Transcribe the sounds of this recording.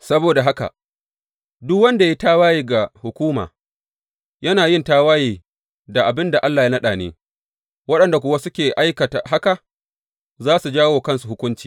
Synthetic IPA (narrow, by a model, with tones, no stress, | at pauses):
sɐ˦boː˨da˨ɦa˦ka̰˨ | dʊ˦kwɐ˦nda˨ji˦taː˦waː˦jiː˨ɡa˨hʊ˨kʷuː˦ma̰ː˨ | jɐ˦naː˨jɪ˦˨ntaː˦waː˦jiː˨ | da˨ʔa˨bɪ˦nda˨ʔa˦lːa˨ja˦nɐ˦ɗaː˨nḛː˦ | wɐ˦ɗɐ˨nda˨k̬ʷʊ˦wa˦sʊ˦kʲeː˨ʔa˦jkɐ˨ta̰˨ɦa˦ka˨ | zaː˦su˨d͡ʒaː˦woː˨kɐ˦nsu˨hʊ˦kʷʊ˦nt͡ʃi̥ː˨